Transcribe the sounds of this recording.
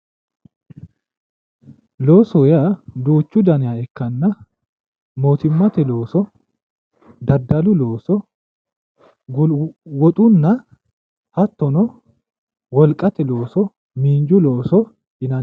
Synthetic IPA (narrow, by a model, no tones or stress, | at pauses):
lo̞ːsɔjad̪uːt͡ʃːʊd̪ɐnɪjaːɛkːɐnːɐ | moːt̪ɪmːɐt̪ɛlo̞ːsɔ | d̪ɐd̪ːɐlʊlo̞ːsɔ | wɔt̪ʼʊnːɐ | hɐt̪ːɔnɔ | wɔlkʼːɐt̪ɛlo̞ːsɔ | miːnd͡ʒʊloːsɔ | ɪnɐn